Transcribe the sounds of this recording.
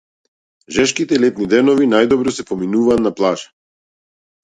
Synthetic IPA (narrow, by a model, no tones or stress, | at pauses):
ʒɛʃkit̪ɛilɛt̪nid̪ɛnɔvinajd̪ɔbɾɔsɛpɔminuvaːt̪naplˠaʒḁ